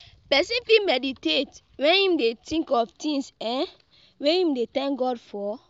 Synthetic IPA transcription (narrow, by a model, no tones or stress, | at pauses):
pɛsĩfimɛditet | wɛ̃nĩmdetĩŋkɔftĩŋsɛ̃n | weĩmdetɛ̃ŋkɡɔdfɔ